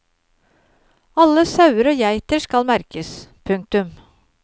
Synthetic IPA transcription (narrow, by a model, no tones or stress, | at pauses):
ɑlːəsɑʉəɾoːjæɪt̪əʂkɑlmæɾkəspʰʉŋk̚t̪ʉm